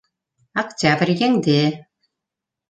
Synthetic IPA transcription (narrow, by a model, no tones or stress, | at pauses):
aktʲabrʲjeŋd̪e